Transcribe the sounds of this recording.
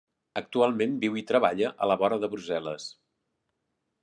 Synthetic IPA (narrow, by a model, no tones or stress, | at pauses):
ək̚t̪ualˠmembiwit̪ɾəβ̞aʎəʔələβɔɾəðəβɾuzɛlə̰s